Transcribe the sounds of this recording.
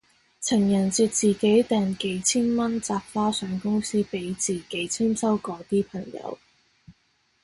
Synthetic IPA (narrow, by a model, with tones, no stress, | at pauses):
t͡sʰɪ˨˩ŋjɐ˨˩nt͡siː˨˧t̚t͡siː˨ke˨˥jt̪ɛː˨nke˨˥jt͡sʰiː˥nmɐ˥nt͡saː˧p̚faː˥sœː˨˥ŋkʊ˥ŋsiː˥pe˨˥jt͡siː˨ke˨˥jt͡sʰiː˥msɐ˥wkɔː˨˧˥t̪iː˥pʰɐ˨˩ŋjɐ̰˨˧˥w